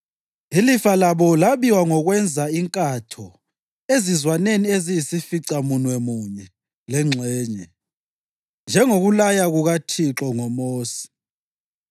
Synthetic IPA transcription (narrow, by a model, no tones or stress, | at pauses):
ilifalaβɔlaβiwaŋɔɣwɛnd͡zʱaiŋkʼatʰɔ | ezizwaneniezijisifiǀamunwɛmuɲɛ | lɛŋ͡ǀʱɛːɲɛ | nd͡ʒʱɛŋoɣulajaɣuɣatʰiǁɔŋɔmoːsi̥